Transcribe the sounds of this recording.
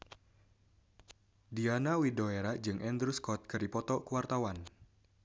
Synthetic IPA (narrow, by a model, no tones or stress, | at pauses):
dianawidoeɾad͡ʒɨŋʔɛnd̪ɾuskɔt̪̚kɨɾipɔt̪ɔkuwart̪awan